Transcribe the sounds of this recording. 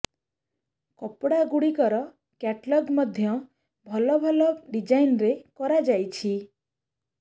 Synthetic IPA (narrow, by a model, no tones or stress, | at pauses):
kɔpɽaɡuɽikɔɾɔ | kɛʈlɔɡmɔd̪ʱjɔ | bʱɔlɔbʱɔlɔɖid͡ʒajnɾekɔɾad͡ʒajt͡ʃʰi